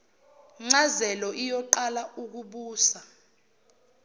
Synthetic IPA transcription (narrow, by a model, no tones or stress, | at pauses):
ŋ͡ǀazɛlɔʔijɔǃalauk̬uɓuːsa